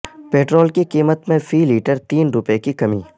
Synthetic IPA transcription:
peːʈɾoːlkikiːmət̪mẽfʰiːliːʈəɾt̪iːnɾʊpekikɐmḭː

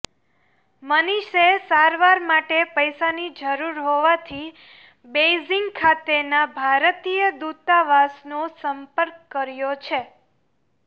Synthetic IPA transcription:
məniʃesaɾʋaɾmaʈepəjsanid͡ʒəɾuɾɦoʋat̪ʰi | bejziŋɡkʰat̪enabʱaɾt̪ijəd̪ut̪aʋasnosəmpəɾkːəɾjot͡ʃʰe

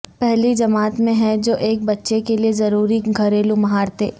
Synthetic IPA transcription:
pɛɦlid͡ʒɐmaːt̪mẽɦɛ̃d͡ʒoːʔeːk̚bɐtːʃekeliezɐɾuːɾiɡʱɐɾeːlũmɐɦaːɾt̪ḛː

